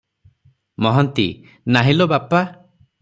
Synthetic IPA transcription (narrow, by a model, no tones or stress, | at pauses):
mɔɦɔnt̪ḭ | naɦilobapa